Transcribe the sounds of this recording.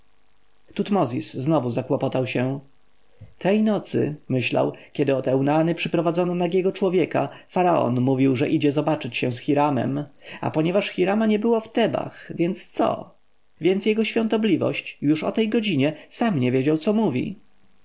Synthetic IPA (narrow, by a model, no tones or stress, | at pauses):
t̪ut̪mɔzʲisːnɔvuzakwɔpɔt̪awɕɛ | t̪ʰɛjnɔt̪sɘ̰mɘɕla̰wkʲɛd̪ɘɔt̪ɛwnanɘpʂɘpɾɔvad̪zɔnɔnaɡʲɛɡɔt͡ʂwɔvʲjɛkafaɾaɔ̰nmuvʲiwʐɛʔid͡ʑɛzɔbat͡ʂɘt͡ɕɕɛ̃sxʲiɾamɛ̰ma̰pɔɲɛvaʂxʲiɾamaɲɛbɘwɔft̪ɛba̰xvʲjɛnt̪st̪sɔ̰ | vʲjɛntsjɛɡɔɕfʲjɔ̃nt̪ɔblʲivɔ̰ɕt͡ɕjuʂɔ̰t̪ɛjɡɔd͡ʑiɲɛsamɲɛvʲjed͡ʑawt̪sɔmuvʲḭ